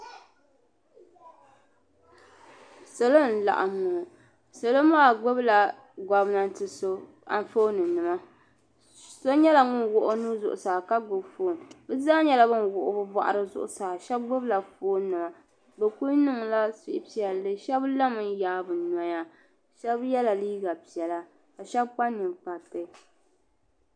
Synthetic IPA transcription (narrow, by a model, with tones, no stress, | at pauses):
so˨lo˦n̩˨la̰˨ʔa̰˨mːʊ˨ | so˨lo˦maː˦˨ɡ͡bo˦bla˨ | ɡa˨bna˨n˦tɨ˨so˦ | a̰˨ɱ˦fo˦nɨ˨nɨ˨ma˦ | so˦ɲɛ˦la˨ŋʊ˦nwʊ˦ʔʊ˦nuː˦zʊ̰˨ʔʊ̰˨saː˨ka˦ɡʊ˨bfoː˨˦˨nbɨ˦zaː˦ɲɛ˦la˦bɨ˦nwʊ˨ʔʊ˨˦bɨ˦ba̰˨ʔa̰˨ɾɨ˦zʊ̰˦ʔʊ̰˨saː˨ʃɛ˦b̚ɡ͡bʊ˦bla˨foː˦nɨ˨ma˨ | bɛ˨ku˦nɨ˦ŋla˦sɪ˦ʔɪ˦pi˦˨ɛ˨lːɨ˦ʃɛ˦bla˦mɨ˨njaː˦bɨ˨na˨˦ja˦ | ʃɛ˦bjɛ˦la˨liː˦ɡa˨pi˨ɛ˨la˦ | ka˨ʃɛ˦bk͡pa˦nːɨ˨ŋk͡pa˨tɨ˦